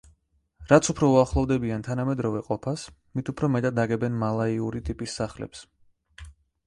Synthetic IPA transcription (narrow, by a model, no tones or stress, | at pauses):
ɾat̪sʰupʰɾɔuaχlˠɔvd̪ɛbiant̪ʰanamɛd̪ɾɔvɛqʼɔpʰas | mit̪ʰupʰɾɔmɛt̪ʼatd̪aɡɛbɛnmalˠaiuɾit̪ʼipʼisːaχlɛ̰ps